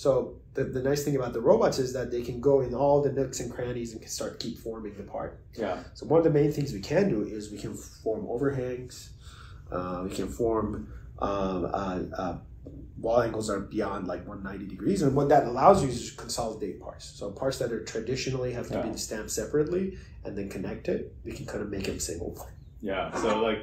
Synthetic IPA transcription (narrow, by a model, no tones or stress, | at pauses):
soʊ | ðɨðɨnaɪsθɪ̃ŋɨbaʊt̪̚ðəɹoʊbɑtsɨzðɨt̪̚ðeɪkʰɨ̃nɡoʊɨ̃nɔlˠðɨmɪksɨ̃nkʰɹ̥æ̃ɾ̃izɨ̃nkʰn̩stɑɹt̚kʰipfɔɹmɪ̃ŋðɨpʰɑ̰ɹt̚ | soʊwʌ̃nʌvðɨmẽɪ̃nθɪ̃ŋzwikʰɨ̃ndɨʔɪzwikʰɨ̃nfɔɹmʔo̰ʊvə˞ɦæ̃ŋz̥ | ʌwikʰɨ̃nfɔɹm | ʔʌʌʌ | wɔlˠæ̃ŋɡl̩ˠzə˞biɑ̃ndˡlaɪkwʌ̃nːãɪ̃nidɨɡɹizə̃nwʌt̪̚ðɨɾəlaʊzjɨzd͡ʒʌkʰə̃nsɑlˠdeɪt̚pʰɑ̰ɹtsːoʊpʰɑɹtsðɨt̪̚ə˞tʰɹ̥ɨdɪʃɨnl̩ˠiɦæftɨbiɪ̃nstæ̃mpsɛpɹɨtˡli | ʔɨ̃nðɨ̃nkʰɨnɛk̚tɪt̚wikʰn̩kʰãɪ̃ndvmeɪkɨməsɪ̰̃ŋɡl̩ˠpʰɪ̃nt | jæsoʊlaɪk̚